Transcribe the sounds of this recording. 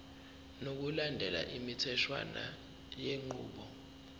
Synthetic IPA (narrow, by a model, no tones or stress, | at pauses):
nok̬ulandʱɛla̰ʔimitʰɛʃʰwa̰na̰ | jeŋ͡ǃʱuːɓɔ